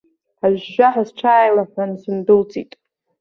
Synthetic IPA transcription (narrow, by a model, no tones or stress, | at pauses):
aʒʷᶣːaħazʈ͡ʂʰaːjlaħʷansɨmdɨlt͡sʼitʼ